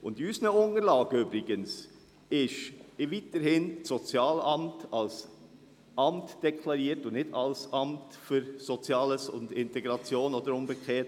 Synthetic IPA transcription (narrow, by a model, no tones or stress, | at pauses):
ʔʊndiysnəʊnəɾlɑːɡ̥əʏbɾɪɡəns | ɪʃɪvitəhɪnsɔt͡sjɑːlɑmtɑls | ʔɑmtd̥ɛkʰlɑɾiːəɾtʊnnɪdɑlsɑmtfʏɾsot͡sjɑːləsʊ̰ndɪntɛɡɾɑt͡sjoːnod̪əɾʊnbəkχɛːt